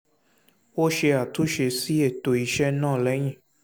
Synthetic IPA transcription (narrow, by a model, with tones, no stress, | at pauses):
wo˦ʃe˧a˨tu˨˦ʃe˧si˦e˦˨to˨i˧ʃɛ˦nãː˦˨lɛ˨˦j̃ĩ˦˨